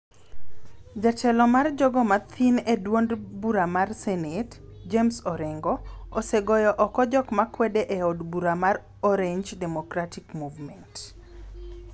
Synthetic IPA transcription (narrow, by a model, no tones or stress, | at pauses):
d͡ʒat͡ʃɛlɔmard͡ʒɔɡɔmat̪ʰinedwondbuɾamarsɛnet | d͡ʒemsɔɾɛŋɡɔoseɡɔjɔʔɔkɔd͡ʒɔkmakwɛdeʔeɔdbuɾamar | ɔɾeɲd͡ʒdɛmokɾatikmuvmɛnt